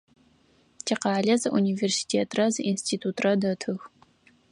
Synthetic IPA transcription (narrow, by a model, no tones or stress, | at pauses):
tʰiqɑːɮɐzɨʔuniːversi̥tʰeːtʰrɐzɨʔinstʰiːtʰuːtʰrɐdɐtʰɨx